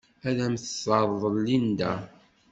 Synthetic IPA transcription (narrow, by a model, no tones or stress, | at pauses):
æðæmθəsɑðˤðˤəlːind̪æ